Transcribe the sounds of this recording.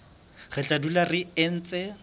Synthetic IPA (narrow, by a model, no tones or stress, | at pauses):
ɣɪt͡ɬʼadularɪɪn̩ːt͡sʼe